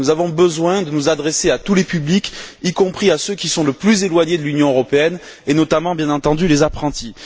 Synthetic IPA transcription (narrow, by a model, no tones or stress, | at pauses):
uzavɔ̃bəzwɛ̃d̪ənuzad̪ʁeseat̪ulepyblikikɔ̃pχiasøkʲisɔ̃ləplyzelwaɲed̪əlynjɔ̃øʁɔpeɛn | enɔt̪amɑ̃bjɛ̃nɑ̃t̪ɑ̃d̪ylezapχɑ̃t̪i